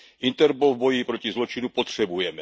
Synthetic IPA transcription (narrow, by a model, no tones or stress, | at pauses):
ʔint̪ɛɾpolvbojipɾocizlot͡ʃinupot̪r̝̥ɛbujɛmɛ